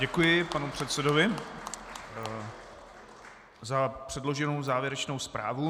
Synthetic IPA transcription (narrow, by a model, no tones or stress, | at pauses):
ɟɛkujɪpanupr̝̥ɛt̪sɛdovɪ | zapr̝̥ɛdlo̞ʒɛno̞wzaːvjɛɾɛt͡ʃno̞wspɾʔa̰ːvu